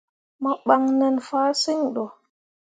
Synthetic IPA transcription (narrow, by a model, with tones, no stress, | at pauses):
mɔ˦ɓa˦ŋnɛ˦nfaː˦si˦ŋɗɔ˨